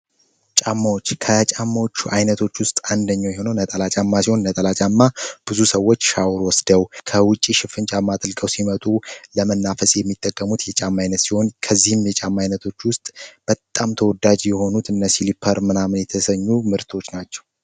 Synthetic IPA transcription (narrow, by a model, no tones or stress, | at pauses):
t͡ʃʼamːawot͡ʃːkʰət͡ʃʼamːawot͡ʃːuajnət̪ʰo̞t͡ʃːwʊst̪ʼand̪əɲːawjɛho̞nəwnət̪ʼəlat͡ʃʼamːasiho̞nnət̪ʼəlat͡ʃʼamːab̥ɨzusəwːo̞t͡ʃːʃawɾwɔsd̪əwkʰəwʊt͡ʃʼiʃɪfɨnt͡ʃʼamːad̪ɨlkʼəwsimət̪ʼuləmənːafəsjɛmːit̪ʼːəkʼːəmut̪jɛt͡ʃʼamːajnət̪siho̞nkʰəzːihɨmjɛt͡ʃʼamːajnət̪ʰo̞t͡ʃːwʊst̪ʼb̥ət̪ʼamt̪ʰəwɔd̪ad͡ʒjɛho̞nut̪ʰɨnːəsilipʰːəɾmɨnamnjɛt̪ʰəsəɲːumɨɾt̪ʰo̞t͡ʃːnat͡ʃːɛ̥w